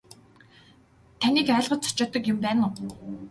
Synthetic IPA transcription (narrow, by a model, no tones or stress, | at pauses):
t̪ʰænʲiːkæːɮʁə̆t͡sʰʊ̥t͡ɕɔːt̪ə̆kjʊmpæːnʊ